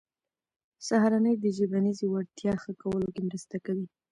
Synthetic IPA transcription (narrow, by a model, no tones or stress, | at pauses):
saɦaɾanəjd̪əʒəbanizewaɽt̪jɑxəkawəlokemɾəst̪akawi